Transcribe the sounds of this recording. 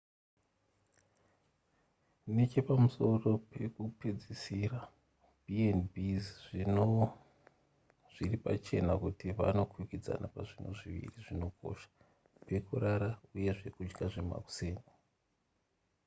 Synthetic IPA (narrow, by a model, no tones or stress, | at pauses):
net͡ʃe̞pamuso̞ro̞pe̞kuped͡zisira | bʱienbizʐino | ʐ̥iripa̰t͡ʃe̞̰nakutiʋa̰no̞kwukid͡za̰napaʐino̰ʐiʋḭriʐino̞kʰo̞̰ʃḁ | pe̞kuraɾauje̞ʐe̞kud͡ʒɡaʐe̞ma̰ku̥se̞ːno